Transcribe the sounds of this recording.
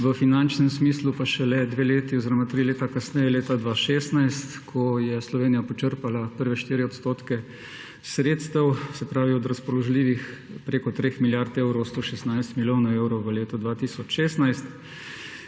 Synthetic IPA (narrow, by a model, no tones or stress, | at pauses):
ʋəfinant͡ʃnɛmsmiːslupaʃɛlɛd̪ʋeːleːt̪iɔziɾomat̪ɾileːt̪akasnɛjɛleːt̪ad̪ʋaːʃeːst̪najst̪kʰɔjɛslɔʋeːnijapɔt͡ʃəɾpalapəɾʋɛʃt̪iːɾiɔt̪st̪oːt̪kɛ | sɾeːt̪st̪ɛwsɛpɾaːʋiɔd̪ɾaspɔlɔʒliːʋix | pɾeːkɔt̪ɾeːxmiljaɾt̪ewɾowst̪oːʃɛsnajst̪miljoːnaewɾɔwʋəleːt̪ɔd̪ʋaːt̪iːsɔt͡ʃʃeːst̪najst̪